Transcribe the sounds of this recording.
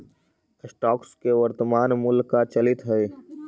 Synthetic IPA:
sʈɔːkskeʋəɾt̪əmaːnmʊlkat͡ʃɐlɪt̪ɦɛe

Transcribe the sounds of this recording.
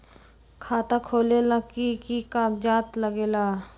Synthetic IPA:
kʰaːt̪akʰoːlelakikikaːbd͡ʒaːt̪ləɡeːlaː

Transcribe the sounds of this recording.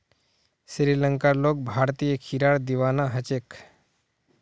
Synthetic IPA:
sɾiləŋkalok̚bʱaɾt̪ijəkʰiɾaɭd̪iʋanaɦət͡ɕek

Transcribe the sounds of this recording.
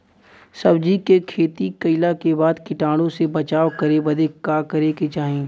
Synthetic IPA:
sɐbd͡ʒikekʰeːt̪ikɐɪlakebaːd̪kɪʈaːɽ̃õsebɐt͡ʃaːʋkɐɾebɐd̪ekaːkɐɾeket͡ʃaːɦẽː

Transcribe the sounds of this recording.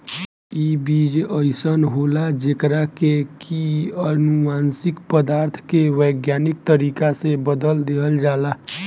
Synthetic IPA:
ibid͡ʒəɪsənɦolad͡ʒekɾakekʰiənumansikpəd̪aɾt̪ʰkeʋəjɡjanikt̪əɾikasẽbəd̪əld̪eɦəld͡ʒala

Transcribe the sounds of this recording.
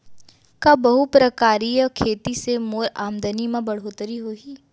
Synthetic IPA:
kabɐɦupɾəkaːɾijəkʰeːt̪isemoːɾaːmd̪ənimãbɐɽ̤ɦoːt̪əɾiɦoːiː

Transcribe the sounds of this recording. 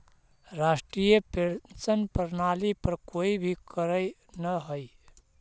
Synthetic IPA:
ɾaːsʈɾijəpt͡ʃənpəɾnaːlipəɾkoːibʱikəɾə | nəɦoi

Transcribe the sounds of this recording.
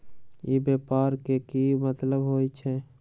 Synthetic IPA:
jibjeːpaːɾkekimət̪ləbɦoːit͡ʃʰɛ

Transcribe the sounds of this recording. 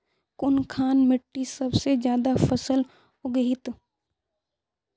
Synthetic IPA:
kʊnkʰaːnmɪʈːisɐbsed͡ʒjaːd̪afɐsəl | oɡəɦɪt̪

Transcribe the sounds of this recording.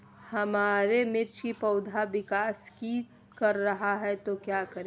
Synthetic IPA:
hɐmaːɾemɪɾt͡ʃkipɐʊd̪ʱabɪkaːski | kɐɾːɐɦaɦɛt̪okjaːkəɾẽ

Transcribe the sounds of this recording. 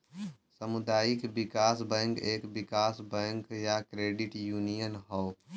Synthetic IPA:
səmʊd̪aːjɪkbɪkaːsbə̃ŋkeːkbɪkaːsbɛ̃ŋkjakɾeːɖɪʈjuːnijənɦɔo

